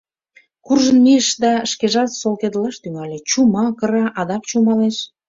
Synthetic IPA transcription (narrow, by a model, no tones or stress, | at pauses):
kurʒənmiəʃd̪ɑʃkeʒɑt̪solked̪lɑʃt̪yŋɑlʲet͡ɕumɑkə̆ɾɑʔɑd̪ɑk̚t͡ɕumɑleʃ